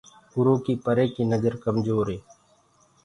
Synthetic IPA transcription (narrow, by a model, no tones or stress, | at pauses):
ʊɾõːkiːpəɾeːkiːnəzəɾkəmd͡ʒoːɾeː